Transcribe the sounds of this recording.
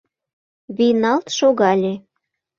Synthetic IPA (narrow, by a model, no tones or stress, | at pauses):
βijnɑlt̪ʃoɣɑlʲe